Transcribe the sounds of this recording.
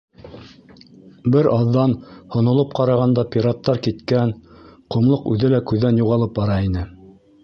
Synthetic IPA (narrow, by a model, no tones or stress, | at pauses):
bɘɾʔɑðːɑnhŏnŏlˠɤp̚qɑɾɑʁɑnd̪ɑpʲiɾat̪ːɑɾkit̪kænqŏmlˠɤqʉðɘlækʉðːænjuʁɑlˠɤp̚bɑɾɑinɘ